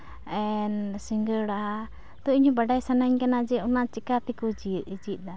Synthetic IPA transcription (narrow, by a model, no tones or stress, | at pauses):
ɛnsiŋɡəɽa | t̪ɔiɲubaɖajsanaɲkanad͡ʒɛʔɔnat͡ʃikat̪ikud͡ʒit̪id͡ʒit̪̚ˀla